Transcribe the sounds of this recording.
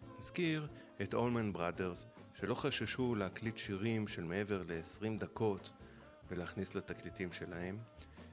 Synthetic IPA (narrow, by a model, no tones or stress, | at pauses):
naskiʁ | etʔo̞lmanbʁade̞ʁzʃe̞lo̞χaʃaʃuleaklitʃiʁimʃe̞lme̞e̞ve̞ʁle̞ːsʁimd̪ako̞t | veleaχnislat̪aklitimʃe̞lahe̞m